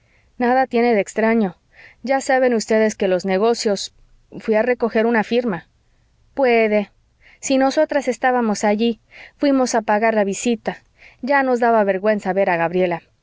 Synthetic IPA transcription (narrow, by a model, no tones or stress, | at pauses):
naðat̪je̞ne̞ðekst̪ɾaɲo̞ | ʝasaβe̞nust̪e̞ðe̞ske̞lo̞zne̞ɣ̞o̞sjo̞s | fwiare̞ko̞xe̞ɾunafiɾma | pwe̞ðe̞ | sino̞so̞t̪ɾase̞st̪aβamo̞saʝi | fwimo̞sapaɣaɾlaβisit̪a | ɟ͡ʝano̞zðaβaβe̞ɾɣwe̞nsaβe̞ɾaɣaβɾje̞la